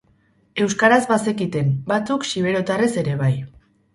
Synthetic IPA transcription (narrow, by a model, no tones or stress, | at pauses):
e̞wskaɾazβase̞kit̪e̞mbat͡suksiβ̞e̞ɾo̞t̪are̞se̞ɾe̞β̞aj